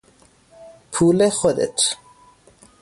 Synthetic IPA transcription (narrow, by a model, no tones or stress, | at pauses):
pʰuːlexod̪ḛt̪ʰ